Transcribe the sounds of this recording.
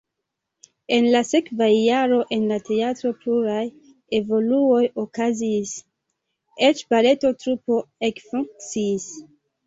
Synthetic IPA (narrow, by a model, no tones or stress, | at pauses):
e̞nlase̞kvaːaɾo̞ʔe̞nlatʰe̞atɾo̞pluɾaj | e̞vo̞luo̞jokazis | et͡ʃbale̞to̞tɾupo̞ekfuŋk̚t͡sis